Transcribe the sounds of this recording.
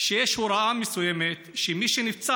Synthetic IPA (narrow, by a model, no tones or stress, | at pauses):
ʃejeʃhuɾaʔamesujemet̪ʃemiʃenift͡sa